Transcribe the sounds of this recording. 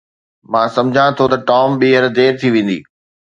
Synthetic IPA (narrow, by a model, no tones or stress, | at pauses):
mãːsɐ̃md͡ʑʱãt̪ʰot̪ɐʈɔːmɓiːɦəɾd̪eːɾt̪ʰiʋẽːn̆d̪ḭː